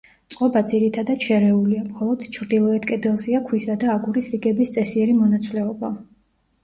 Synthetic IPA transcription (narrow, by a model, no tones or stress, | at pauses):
t̪sʼqʼɔbad̪ziɾit̪ʰad̪at̪ʃɛɾɛuliamχɔlˠɔd̪̥t͡ʃʰɾd̪ilˠɔɛt̪kʼɛd̪ɛlˠziakʰwisad̪aːɡuɾisɾiɡɛbist̪sʼɛsiɛɾimɔnat̪sʰvlɛɔba